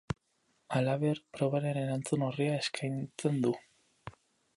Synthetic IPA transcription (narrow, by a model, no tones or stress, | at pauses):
alaβeɾpɾo̞β̞aɾe̞ne̞ɾant͡sunoriae̞skʰajnt͡se̞nd̪u